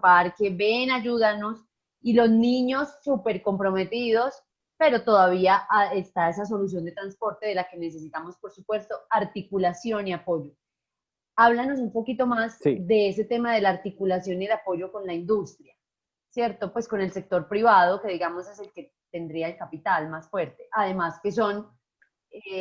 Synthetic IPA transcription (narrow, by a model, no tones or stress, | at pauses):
paɾke̞βe̞naʝuðano̞s | ilo̞zniɲo̞sːupe̞ɾko̞mpɾo̞me̞t̪iðo̞s | pe̞ɾo̞t̪o̞ðaβ̞iaʔaest̪ae̞s̬as̬o̞lus̬jo̞nd̪e̞t̪ɾanspo̞ɾt̪eðe̞lake̞ne̞se̞s̬it̪amo̞spo̞ɾsupwe̞st̪o̞aɾt̪ikulasjo̞niapo̞d͡ʒo̞ | aβlano̞s̬umpo̞kit̪o̞mazsd̪e̞ese̞t̪e̞mað̞e̞laaɾt̪ikulasjo̞nielapo̞ʝo̞ko̞nlaind̪ust̪ɾja | sje̞ɾt̪o̞pwe̞sko̞ne̞lse̞k̚t̪o̞ɾpɾiβaðo̞ke̞ðiɣamo̞se̞se̞lke̞ | t̪e̞nd̪ɾiaelkapit̪almasfwe̞ɾt̪e̞ʔaðe̞maske̞s̬o̞n | e